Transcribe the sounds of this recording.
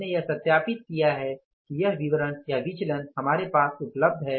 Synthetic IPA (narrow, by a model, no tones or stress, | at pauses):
nejɐɦsɐt̪jaːpɪt̪̚kijaɦɛ | kijɐɦʋɪʋəɾənjaʋɪt͡ʃlənhɐmaːɾepaːsʊpləb̚d̪ʱɦɛː